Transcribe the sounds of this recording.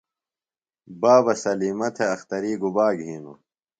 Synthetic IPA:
baːbɐsɐliːmɐt̪ʰeɐxt̪ɐɾiːɡubaːɡɦiːnṵ

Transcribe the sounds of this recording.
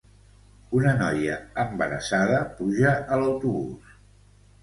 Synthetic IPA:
unənɔjəəmbəɾəsaðəpuʒəʔələwt̪uβus

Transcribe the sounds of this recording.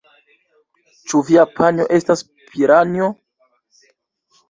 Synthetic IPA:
t͡ʃuviapʰaɲo̞ʔe̞stas | pʰiɾano

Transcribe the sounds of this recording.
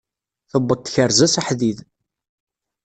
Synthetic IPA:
θəbːədt̪ːçəɾzæsaħðið

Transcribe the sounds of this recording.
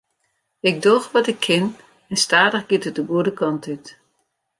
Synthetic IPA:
ɪɡ̚doxʋɔtɪkʰːɪn | ɛnstaːdəxɡ̥ɪtət̚dəɡuədəkʰɑntyt

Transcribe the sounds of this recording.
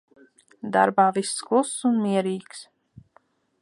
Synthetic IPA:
d̪a̰ɾbaːvisːklˠusːunmiɛɾiːks

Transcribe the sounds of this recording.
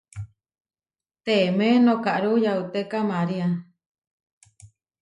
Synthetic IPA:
t̪emẽnõkaʔɾujaut̪ekamaɾia

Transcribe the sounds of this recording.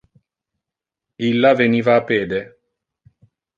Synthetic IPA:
ilːaveniːvaːpːeːd̪e

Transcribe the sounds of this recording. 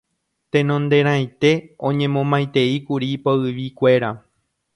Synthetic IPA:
t̪ẽ̞nõ̞nd̪e̞ɾ̃ãjt̪e̞õ̞ɲẽ̞mõ̞mãj̃t̪e̞ikuɾipoɨʋikʷe̞ɾa

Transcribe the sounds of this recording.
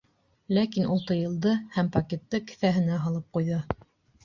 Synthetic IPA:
lækinulˠt̪ɤjɤ̆lˠd̪ɤhæmpɐkʲet̪ːɤkɘ̥̆θæɦɘ̆næɦɑlˠɤp̚qujðɤ

